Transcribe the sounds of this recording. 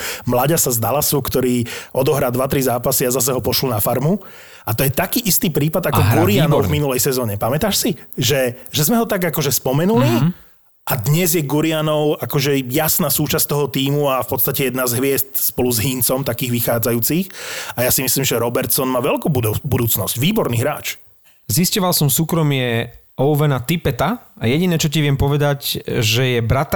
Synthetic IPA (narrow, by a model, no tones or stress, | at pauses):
mlaɟasazd̪alasukt̪ɔɾiːʔɔd̪ɔɦɾald̪ʋat̪ɾizaːpasiazas̬ɛɦɔpɔʃlɔnafaɾmu | at̪ɔjɛt̪akiːʔist̪iːpɾiːpad̪akɔɡuɾianɔʊvminulɛjsɛzɔːɲɛpamɛt̪aːʃsiʒɛʒɛzmɛɦɔt̪aɡakɔʒɛspɔmɛnuli | ʔad̪ɲɛzjɛɡuɾianɔʊakɔʒɛjasnaːsuːt͡ʃast̪ɔɦɔt̪iːmuafpɔt̪st̪acɛjɛd̪nazɦʋɪɛst̪spɔluzɦiːnt͡sɔmt̪akiːɣʋixaːd͡zajuːt͡sixajasimisliːmʒɛɾɔbɛɾt̪sɔnmaːʋɛlkuːbubud̪uːt͡snɔscʋiːbɔɾniːɦɾa̰ːt͡ʃ | ziscɔʋalsɔmsuːkɾɔmɪɛʔɔʊʋɛnat̪ipɛt̪aajɛɟinɛːt͡ʃɔc̬iʋɪɛmpɔʋɛd̪acʒɛjɛbɾat̪